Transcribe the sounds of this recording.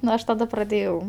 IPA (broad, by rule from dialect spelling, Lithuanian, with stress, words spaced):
nʊ ˈɐʃ tɐˈdɐ prɐˈdʲeːjɛʊ